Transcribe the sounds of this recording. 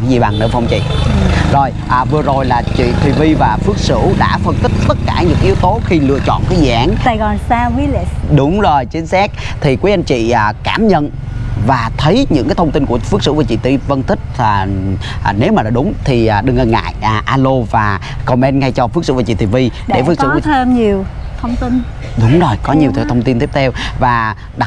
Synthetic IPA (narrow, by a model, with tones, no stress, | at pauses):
a˨˦zi˨˩ɓa˨˩ŋnɨ̰˧˥əvwŋ͡mt͡ɕḭ˧˨zo˨˩jʔaː˨˩vɨ˨˩əzo˨˩jlaː˨˩t͡ɕḭ˧˨t̪ʰwi˨˩vi˧vaː˨˩fɨ˦˥ək̚sɨ̰˧˥ɗa̰ː˧˥fə˧nt̪ï˦˥k̟̚t̪ə˦˥t̚kaː˧˩ɲɨ̰˧˥ŋʔi˨˦əwt̪o˨˦xi˧lɨ̰˧˨ət͡ɕɔ̰˧˨nkɔː˨˦jzḭ˧˨ʔaː˨˦nsaː˧jɣɔ˧nsaː˧wi˨˦lɗʊ˨˦wŋ͡mzo˨˩jt͡ɕi˨˦ŋsɛ˦˥k̚t̪ʰi˨˩kwu˨˦jʔa˧ŋt͡ɕḭː˧˨˩kaː˧˩mɲə̰˧˨n | vaː˨˩t̪ʰə˨˦jɲɨ̰˧˥ŋkaː˨˦jt̪ʰə˧wŋ͡mt̪i˧nku˧˩əfɨ˦˥k̚sɨ̰˧˥vu˧˩t͡ɕḭ˧˨t̪i˧və˧nt̪ʰï˦˥k̟̚aː˨˩ʔne˨˦wmaː˨˩laː˨˩ɗʊ˨˦ŋ͡mt̪ʰi˨˩ʔɗɨ˨˩ŋʔə˧˩ŋa̰ː˧˨jʔʔaː˧lo˧vaː˨˩ | kɔ˧˩mɛ˧nŋa˧jt͡ɕɔ˧fɨ˦˥k̚sɨ̰˧˥vt͡ɕḭ˧˩t̪ʰi˨˩vi˧ɗe˧˩˨f̚sɨ˧˦k̪ːʰə˧mɲi˨˩əwt̪ʰə˧wŋ͡mt̪i˧n | ɗʊ˨˦wŋ͡mzo˨˩jkɔ˨˦ɲi˨˩ət̪ʰːt̪ʰə˧ŋ͡mt̪i˧nt̪i˦˥p̚t̪ʰɛ˧wvaː˨˩ | ɗa˨˩